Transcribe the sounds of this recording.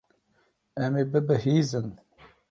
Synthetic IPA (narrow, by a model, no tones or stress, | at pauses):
ɛmeːbɨbɨhiːzɨn